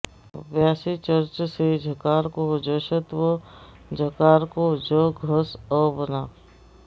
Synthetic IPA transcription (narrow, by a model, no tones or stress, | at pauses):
ʋjaːsit͡ʃəɾt͡ʃsed͡ʒʱəkaːɾkod͡ʒəʃət̪ʋə | d͡ʒʱəkaːɾkod͡ʒəɡʱəsəbənaː